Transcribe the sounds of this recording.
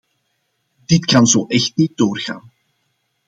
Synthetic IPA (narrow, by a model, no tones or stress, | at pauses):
d̥ɪtkɑnzoːʔɛxtnit̚d̥oːrɣa̰ːn